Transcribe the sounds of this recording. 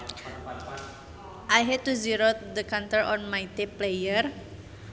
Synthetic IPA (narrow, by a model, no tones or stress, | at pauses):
ʔajɦɛd̚t̪uziɾod̪əkant̪əɾɔnmajt̪iplejər